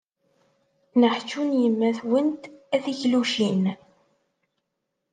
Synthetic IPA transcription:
nəħt͡ʃːunjəmːæθwənt̪æθiçluʃin

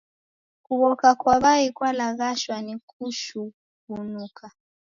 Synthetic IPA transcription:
kuβɔkakwaβaikwalaɣaʃwanikʰuʃu | βunukʰa

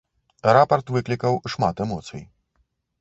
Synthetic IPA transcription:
ɾapɐrt̪vɨklʲikɐwʂmat̪ɛmɔt̪sɨj

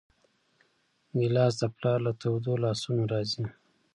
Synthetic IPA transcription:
ɡɪlɑs̬d̪əplɑlat̪awd̪olɑsunoɾɑzi

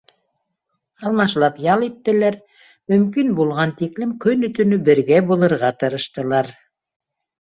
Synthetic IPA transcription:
ɑlˠmɑʃlˠɑpjɑlˠit̪ːɘ̆læɾ | mɵ̆mkinbulˠʁɑnt̪iklɘmkɵnɵ̆t̪ɵ̆nɵbɘ̆ɾɡæbulˠɤ̆ɾʁɑt̪ɤ̆ɾɤ̆ʃt̪ɤ̆lˠɑɾ

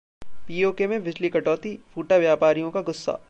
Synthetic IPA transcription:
piːoːkemẽʋɪd͡ʒlikɐʈɔːt̪ifʰuːʈaʋjaːpaːɾijõkaɡʊsːa̰ː

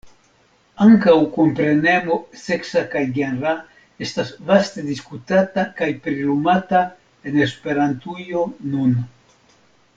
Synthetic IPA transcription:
aŋkawkompɾe̞ne̞moseksakajɡenɾa | e̞stasvast̪e̞d̪iskut̪atakajpɾilumata | e̞nespe̞ɾant̪ujonun

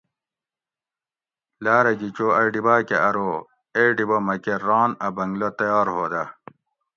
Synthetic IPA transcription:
laːɾɐɡit͡ɕoɐɖibaːkeʔɐɾoː | eɖibomɐkeɾɑːnɐbɐŋɡlot̪ɐjɑːɾɦoːd̪ɐ

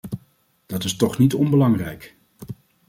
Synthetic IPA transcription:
d̥ɑtɪstɔχnitɔnbəlɑŋrɛjk

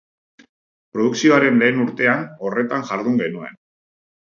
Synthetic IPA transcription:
pɾo̞ðuksio̞aɾe̞nle̞ːnuɾt̪e̞ano̞re̞t̪aŋʝaɾðuŋɡe̞nue̞̰n

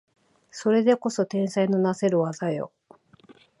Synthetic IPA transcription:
so̞ɾe̞d̪e̞ko̞so̞t̪ẽ̞ɰ̃saino̞nase̞ɾɯ̟βazajo̞̰

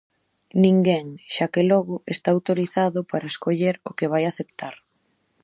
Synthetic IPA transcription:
nĩŋɡɛŋʃakelɔɣʊest̪aawt̪oɾiθaðʊpaɾɐeskoʎeɾʊkeβ̞ajaθept̪aɾ

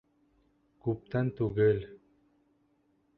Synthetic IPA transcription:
kup̚t̪ant̪uɣəl

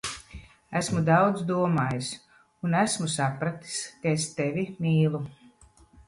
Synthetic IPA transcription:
æsmud̪awd̪zd̪uɔmaːjis | unæsmusapɾat̪i̥skaest̪evʲimiːlˠu

